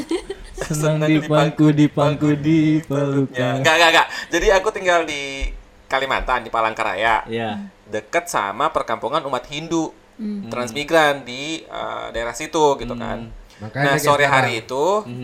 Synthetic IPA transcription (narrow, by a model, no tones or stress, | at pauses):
sənəaŋdidipaŋkudipaŋkudipəluɲaŋɡaŋɡaŋɡaʔd͡ʒadiakut̪iŋɡaldi | kalima̰nt̪andipalaŋkaɾa̰ja̰j | dəkət̪̚sa̰mapərkampuŋanumat̪hindu | t̪ɾansmiɡɾandiə̰daeɾahsit̪uɡit̪uka̰n | nahssoɾiɦaɾiːt̪u